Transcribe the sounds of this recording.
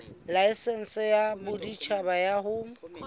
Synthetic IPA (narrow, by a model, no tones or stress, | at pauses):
laɪsɛn̩sɪjabʊdit͡ʃʰabajaɦʊ